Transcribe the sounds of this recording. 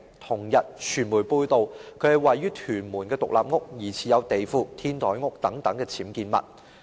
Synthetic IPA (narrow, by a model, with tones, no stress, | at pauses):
t̪ʰʊ˨˩ŋjɐ˨t̚t͡ʃʰyː˨˩nmuː˨˩jpuː˧jt̪o˨wkʰɵ˨˧ɥhɐ˨˩jwɐ˨jːyː˥t̪ʰyː˨˩nmuː˨˩nkɛː˧t̪ʊ˨k̚lʔa̰ː˨p̚ŋʊ˥k̚jiː˨˩t͡sʰiː˨jɐ˨˧wt̪e˨jfuː˨˧t̪ʰiː˥nt̪ɔː˨˥jŋʊ˥k̚t̪ɐ˨˥ŋt̪ɐ˨˥ŋkɛː˧t͡sʰiː˨˥mkiː˧nmɐ̰˨t̚